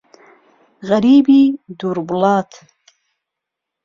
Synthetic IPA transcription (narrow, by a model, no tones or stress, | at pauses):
ɣaɾiːbid̪uɾbulɑːt̪ʰ